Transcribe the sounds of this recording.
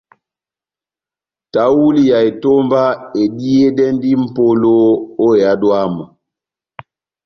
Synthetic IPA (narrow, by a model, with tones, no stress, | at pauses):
ta˨wu˦li˦ja˨e˨to˦mba˦e˨di˦e˦dɛ˦ndi˦m̩˨po˦lo˦o˦e˨ja˦dwa˦mɔ˨